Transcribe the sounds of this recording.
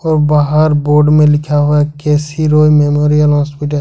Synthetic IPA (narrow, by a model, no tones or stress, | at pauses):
ɔːɾbaːɦaɾboːɾɖmẽlɪkʰaɦʊakɛːsiɾoːjmeːmoːɾijəlɦɔːspɪʈə